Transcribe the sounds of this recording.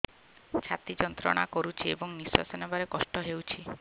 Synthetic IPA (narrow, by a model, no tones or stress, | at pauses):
t͡ʃʰat̪id͡ʒɔnt̪ɾɔ̰ɽ̃akoɾut͡ʃʰiḛbɔŋniswa̰sɔnebaɾekɔsʈɔɦewt͡ʃʰi